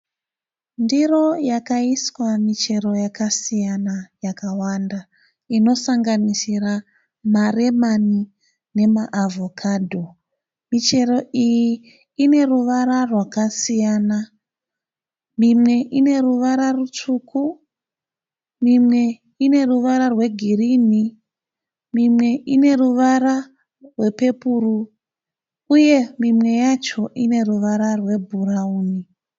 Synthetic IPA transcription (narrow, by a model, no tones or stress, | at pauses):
ndiro̞jakaiswamit͡ʃe̞ɾo̞jakasijanajakawanda | ino̞saŋɡanisira | mare̞mani | ne̞maʔːvʱo̞kʰadʱo̞ | mit͡ʃe̞ɾo̞ʔijiː | ne̞ruʋaɾarwakasijana | mimwe̞ʔine̞ruʋaɾarut͡ʂukʰu | mimwe̞ | ine̞ruʋaɾarwe̞ɡʱirini | mimwe̞ʔine̞ruʋaɾa | rwe̞pe̞puːru | uje̞mimwe̞jat͡ʃo̞ʔine̞ruʋaɾarwe̞bʱurauːni